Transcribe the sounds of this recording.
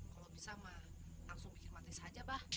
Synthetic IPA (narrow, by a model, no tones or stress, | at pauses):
kalobisamahlaŋsʊŋbikɪrmat̪isad͡ʒabah